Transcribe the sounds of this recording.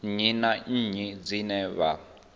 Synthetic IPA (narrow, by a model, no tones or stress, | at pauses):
ɲinaɲ̩ɲid͡zinɛβa